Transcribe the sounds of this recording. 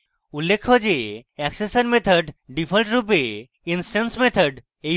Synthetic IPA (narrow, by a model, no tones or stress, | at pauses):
ulːekʰːɔd͡ʑeɛksesəɾmet̪ʰəɖɖipʰəlʈɾup̬e | insʈansmet̪ʰəɖ | e